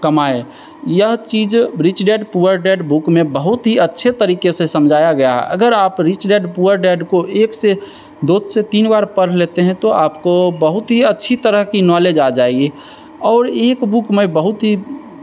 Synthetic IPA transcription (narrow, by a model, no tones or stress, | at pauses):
kəmaːe | jəɦt͡ʃiːd͡ʒɾit͡ʃɖeːɖpuəɾɖeːɖbukmẽbəɦʊt̪ɦiətːʃʰet̪əɾiːkesesəmd͡ʒʱaːjaɡɐjaɦɛ̰ʔə̰ɡəɾaːpɾit͡ʃɖeːɖpuəɾɖeːɖkoʔeːkse | d̪oːd̪set̪iːnbaːɾpəɽ̤leːt̪eɦɛ̃t̪oaːpkobəɦʊt̪ɦiətːʃʰit̪əɾəɦkinɔleːd͡ʒad͡ʒaːeɡi | ɔːɾeːkbukmẽbəɦʊt̪ɦi